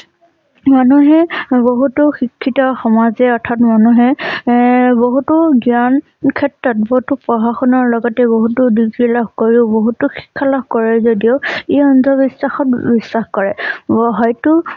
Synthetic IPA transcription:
manuɦɛboɦutʊxikʰːitɔxɔmazɛɔɹtʰatmanuɦɛ | boɦutʊɡjan | kʰɛtɹɔt̚bɔɦutʊpɹɔɦaxɔnɔɹlɔɡɔtɛboɦutʊdiɡɹilɔbkoɹiʊboɦutʊxi̥kʰːalɔbkɔɹɛzodijoiɔnzʱɔbisːaxɔtbisːaxkɔɹɛɦɔjtʊ

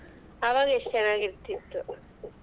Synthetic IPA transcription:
ɐʋaːɡɐeʂt͡ʃɛnaːɡiɾt̪ːit̪ːu

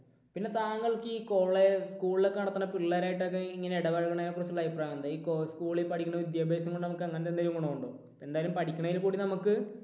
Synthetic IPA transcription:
pinːe̞t̪aːŋːɐɭkɨiːkoːɭeskuːɭilekːɐɳɐt̪ːɐnɐpiɭːɐɾaːjiʈ̬ːok̬ːeiŋːɐneiɽɐʋɐɻɣɐɳaːjakurɐsulːɐjpːraːŋunɐd̪iːkoskuːɭilpɐʈʰikʲːuɳɐʋid̪jabʱeːsɐmŋkoɳɖɨnɐmukːɐŋːɐnɐtdend̪ɐɾiʋɐmkoɳːoːuɳɖo̰ː | e̞nd̪aːjɐlumpɐʈʰikʲːuɳɐilkuːɽinɐmukːɨ

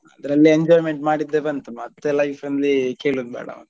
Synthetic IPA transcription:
ɐd̪ɐɾɐlːieɲd͡ʒoːjmeɳʈmaːɽid̪ːeːʋeɐnt̪ɐmːɐɐt̪ːelɐjfɐnlike̞ːɭud̪̚bɛ̰ːɽɐ̰ɐ̰nt̪ɐ

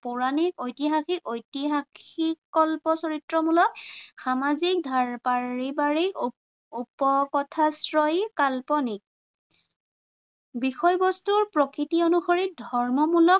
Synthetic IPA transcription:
pʊɹanikojtiɦaxikojtiɦakikɔlpɔsɔɹitɹɔmulɔk̚xamazik̚dʱaɹpaɹibaɹik | upɔkɔtʰasɹɔjkalpɔnik̚ | bixɔjbɔstuɹpɹɔkɹitionuxɔɹit̚dʱɔɹmɔmulɔk̚

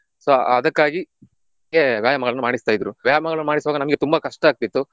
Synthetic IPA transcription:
soɐd̪ɐkːaːɡi | eʋjaːjɐmɐɡɐɭɐnːumaːɽist̪aːjd̪ɾuʋjaːjɐmɐɡɐɭɐnːumaːɽisʋaːɡɐnɐmɐɡe̞t̪umbɐkɐʂʈɐaːk̚t̪it̪ːu

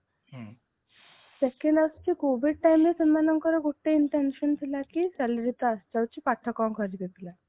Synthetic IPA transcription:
sekeɳɖast͡ɕikobʱiɽ̚ʈajmesənmanəŋkəɾəɡoʈːeiɳʈenɕənt̪ʰilakisɛlɾit̪ast͡ɕawt͡ɕipaʈʰːəkaŋkʰəɾɡet̪ila

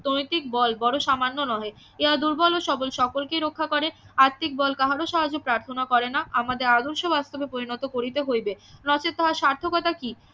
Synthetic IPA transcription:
t̪oot̪ikbɔlbɔɽoʃamanːonɔɦe | eɦad̪uɾbɔloʃɔbolʃɔkolkeɾokʰːakɔɾeaɾt̪ːik̚bɔlkaɦaɾoʃaɦad͡ʑopɾaɾt̪ʰonakɔɾenaamad̪eɾad̪oɾʃobast̪obepoɾinɔt̪okoɾit̪eɦojbenɔt͡ɕet̪ːaɦaʃaɾt̪ʰokɔt̪aki

